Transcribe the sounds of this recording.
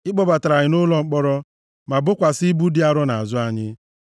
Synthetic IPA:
ɪ˦ɡ͡bɔ˨ba˨ta˨ɾa˨ɲɪ˨nʊ˦lɔ˨ŋ͡m̩˦k͡pɔ˦ɾɔ˦ | ma˨bʊ˦kʷa˨sɪ˦bu˦di˦a˨ɾɔ˦na˨a˨zʊ˦a˨ɲɪ˦

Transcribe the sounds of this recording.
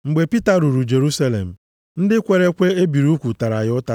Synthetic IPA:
ŋ͡m̩˨ɡ͡be˨pi˦ta˦ɾu˨ɾu˨d͡ʒe˨ɾu˦sa˦lḛ˨m̩˨ | n̩˦dɪ˦kʷe˨ɾe˦kʷe˦e˦bi˨ɾu˦kʷu˨ta˨ɾa˨ɣɪ˦ʊ˦ta˦

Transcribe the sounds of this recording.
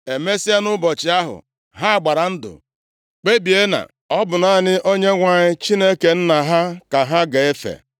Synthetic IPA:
e˨me˦si˦a˦nʊ˦bɔ˨t͡ʃɪ˨a˦ɦʊ̰˨ | ɦa˦a˨ɡ͡ba˨ɾa˨n̩˦dʊ̰˨ | k͡pe˦bi˨e˦na̰˨ | ɔ˦bʊ˨na˨nɪ˦ʔo˦ɲe˦ŋʷa˨ɲɪ˦t͡ʃi˦ne˦ke˨n̩˦na˨ɦa˦ka˨ɦa˦ɡa˨e˦fḛ˨

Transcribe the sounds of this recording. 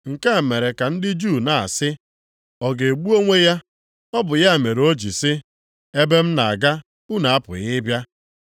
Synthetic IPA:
ŋ̩˨ka˦˨me˨ɾe˨ka˨n̩˦dɪ˦d͡ʒu˦˨na̰˨sɪ˦ | ɔ˨ɡe˨ɡ͡bu˦o˦ŋʷe˦ja˦ | ɔ˦bʊ˨ja˦˨me˨ɾo˦d͡ʒi˨sɪ˦ | e˦be˦m̩˦na˨a̰˨ɡa˦ | u˦na˨a˦pʊ̰˨ɣɪ˦bja˦

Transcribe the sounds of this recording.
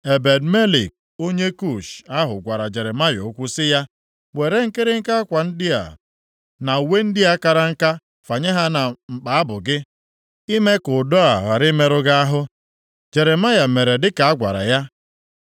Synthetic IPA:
e˨be˨dme˦lḭ˨k̚ | o˦ɲe˦ku˦˨ʃa˦ɦʊ˨ɡʷa˨ɾa˨d͡ʒe˨ɾe˨ma˦jo˨˦kʷʊ˦sɪ˦ja˦ | we˨ɾe˦ŋ̩˦kɪ˦ɾɪ˦ŋ̩˦ka˦a˦kʷa˨n̩˦dɪ˦a̰˨ | na˨u˨we˦n̩˦dɪ˦a˦ka˦ɾa˦ŋ̩˦ka˦ | fa˨ɲe˦ɦa˦na˨ŋ͡m̩˨k͡pa˨a˦bʊ˨ɡɪ˦ | i˦me˦kʊ˨dɔ˦a˨ɣa˨ɾɪ˦me˦ɾʊ˦ɡa˦a˦ɦʊ˦ | d͡ʒe˨ɾe˨ma˦ja˨me˨ɾe˨dɪ˦ka˨a˦ɡʷa̰˨ɾa̰˨ja˦

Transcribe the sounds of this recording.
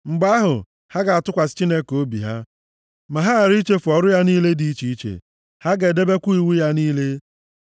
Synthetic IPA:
ŋ͡m̩˨ɡ͡ba˦ɦʊ̰˨ | ha˦ɡa˨a˨tʊ˦kʷa˨sɪ̥˦t͡ʃi˦ne˦ko˦bḭ˨ɦa˦ | ma˨ɦa˦a˨ɾi˦t͡ʃe˦fʊ˨ɔ˨ɾʊ˦ja˦niː˦le˦di˨i˦t͡ʃi˨i˦t͡ʃḛ˨ | ha˦ɡe˨de˦be˦kʷu˦i˨wu˦ja˦niː˦le˦

